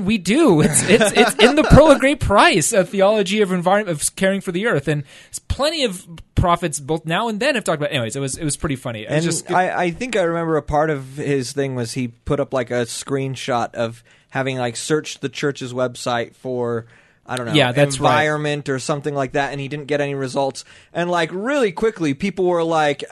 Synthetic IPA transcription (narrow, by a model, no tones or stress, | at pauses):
widʉɪsɪtsɪsɨ̃nðɨpʰɹ̥oʊəɡɹeɪpʰɹ̥aɪsɨθiɑlˠəd͡ʒiʌvɨ̃ɱvaɪɹɨ̃nʌv̥kʰɛɹɪ̃ŋfə˞ðiɜ˞θɨ̃n | spʰl̥ɛ̃ɾ̃iʌv̥pʰɹ̥ɑfɨtsb̥oʊθnaʊə̃nðɨ̃nɨv̥tʰɔk̚əbaʊʔɛ̃niweɪzɨt̚wʌzɨt̚wʌz̥pʰɹ̥ɪɾifʌñḭa̰ɨ̃d͡ʒʌsa̰ɪʔa̰ɪθɪ̃ŋkaɪɹɨmɛ̃mbə˞ɨpʰɑɹɾʌv̥ɪz̥θɪ̃ŋwʌz̥ipʰʊɾʌplaɪkɨskɹĩnʃɑɾʌv̥ | hævɪ̃ŋlaɪksɜ˞t͡ʃðɨt͡ʃʰɜ˞t͡ʃɨzwɛbsaɪtfə˞ | aɪdõʊ̃næðæ̃ɱsvaɪɹɨ̃nmɨ̃ntə˞sʌ̃mθɪ̃ŋlaɪk̚ðæɾɨ̃nidɪdⁿn̩ɡ̥ɛɾɛniɹɨzʌlˠtsʔɨ̃nlaɪkɹɪlˠikʰw̥ɪklipʰipl̩ˠwə˞laɪk